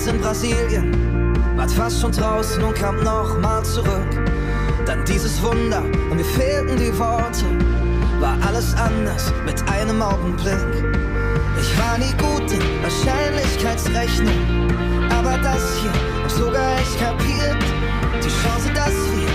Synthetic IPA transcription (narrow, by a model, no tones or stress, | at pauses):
sɪnbʁaziːljən | vaːɐtfastʃoːndʁaʊsn̩ʊntkʰaːmnɔχmaːlt͡suʁʏk | d̥andiːzəsv̥ʊndɐʔʊntmiːɐfeːltn̩diːvɔɐtʰə | vaːɐʔaləsʔandɐs | mɪtʰʔaɪnəmʔaʊɡŋ̩blɪk | ʔɪçv̥aːɐniːɡuːtə | vaːɐʃaɪnlɪçkʰaɪtsʁɛçnʊŋ | ʔaːbɐdashiːɐ | az̥oɡaːɛskʰapʰiːɐt | d̥iːʃɑ̃ːzədashiː